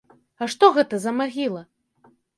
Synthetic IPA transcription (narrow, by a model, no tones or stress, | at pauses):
aʂt̪ɔɣɛt̪ɐzɐmaɣʲilˠɐ